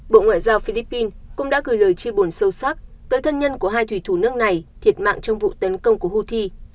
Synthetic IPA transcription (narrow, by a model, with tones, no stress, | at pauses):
ɓo̰˧˨ŋwa̰ː˧˨jzaː˧wfi˧li˦˥pːi˧nkʊ̰˧˥ŋ͡mɗa̰ː˧˥ɣɨ˨˩jləː˨˩jt͡ɕi˧ɓu˨˩ənsə˧wswaː˦˥t̚t̪əː˨˦jt̪ʰə˧nɲə˧nku˧˩əɦaː˧jt̪wi˧˩t̪ʰu˧˩nɨ˦˥ək̚na˨˩jt̪ʰi˨˩ət̚ma̰ː˧˨ŋt͡ɕɔ˧wŋ͡mvṵ˧˨t̪ə˨˦nkə˧wŋ͡mku˧˩əhu˧t̪ʰi˧